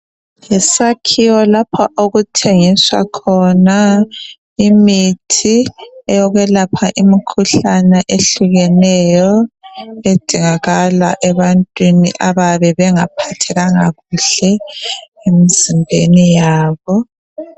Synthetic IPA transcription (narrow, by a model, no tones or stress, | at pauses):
jɛsakʰiwɔlapʰɔʔoɣutʰeŋiswa̰kʰɔna | imitʰiɛjɔɣɛlapʰaʔimikʰuɬanɛʔeɬuɣɛnɛjɔ | ed̥ʱiŋaɣala̰ʔɛβantʼwinḭʔaβaβɛβɛŋapʰatʰɛɣaŋaɣuɬɛ | emizimbʱenijaːβɔ